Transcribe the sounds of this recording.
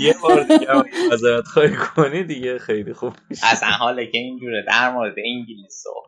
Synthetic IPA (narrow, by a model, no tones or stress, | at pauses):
jebɒːɾd̪ikæɒæzɒːɾæt̪χɒːhikʰonid̪iɟexejlixub̥miʃæsæ̰nɦɒːlecʰeind͡ʒuːɾed̪æɾmoːɾed̪eiŋɟiliso̰